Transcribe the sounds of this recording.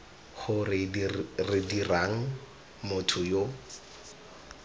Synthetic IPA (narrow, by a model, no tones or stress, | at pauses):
χʊrɪrɪdiraŋ̩ | mʊtʰʊjo